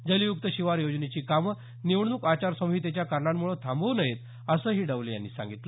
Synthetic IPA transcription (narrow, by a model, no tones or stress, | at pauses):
d͡zəlijuk̚t̪əɕiʋaɾjod͡znet͡ɕiːkam | niʋɳnuːkat͡ɕaɾsəmɦiːt̪̬et͡ɕjakaɾɳamːuɭət̪ʰãmbəwnəɦet̪ | əsəːɦiːɖəʋleja̰nːḭːsa̰ŋɡit̪lə